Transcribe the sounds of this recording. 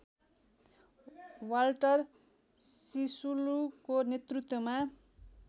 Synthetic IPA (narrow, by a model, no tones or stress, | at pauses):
walʈʌr | sisulukonet̪rut̪wʌma